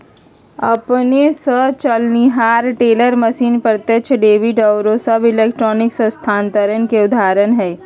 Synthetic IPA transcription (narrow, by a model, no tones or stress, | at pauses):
ɐpnesət͡ʃəlniɦaːɾʈeːləɾməʃiːnpəɾt̪et͡ʃʰɖeːʋiɖɐwɾosəbɪleːkʈɾɔːnɪksə̃st̪ʰaːnt̪əɾənkeʊd̪ʱaːɾənɦɛː